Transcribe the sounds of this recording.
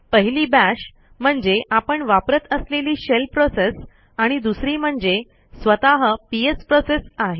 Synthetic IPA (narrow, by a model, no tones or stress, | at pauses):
pəɦiliːbæɕ | m̤əɳd͡zeʔapəɳʋapɾət̪əsleliːɕelpɾoses | aɽ̃id̪usɾiːm̤əɳd͡ze | sʋət̪aɦəpiespɾosesaɦe